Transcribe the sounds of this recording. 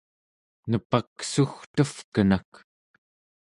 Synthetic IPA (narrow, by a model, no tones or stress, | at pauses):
nəpaksuxt̪əfkənak